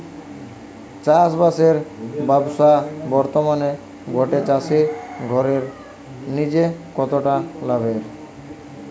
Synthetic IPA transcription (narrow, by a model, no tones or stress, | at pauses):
t͡ɕasbaseɾbabsabɔɾt̪omane | ɡʱɔʈet͡ɕasiɡʱɔɾeɾ | nid͡ʑekɔt̪oʈalabʱeɾ